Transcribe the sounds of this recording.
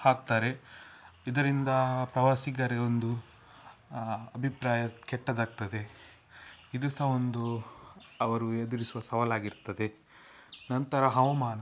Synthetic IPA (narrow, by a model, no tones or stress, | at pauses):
haːɡ̚t̪aːɾe̞ | id̪ɐɾind̪ɐpɾɐʋaːsiɡɐɾeond̪u | ɐbʱipɾaːjɐkɛʈːɐd̪aːɡ̚t̪ɐd̪e̞ | id̪usɐond̪u | ɐʋɐɾued̪uɾisuʋɐsɐʋɐlaːɡiɾt̪ːɐd̪e̞ | nɐnt̪ɐɾɐɦɐʋɐmaːnɐ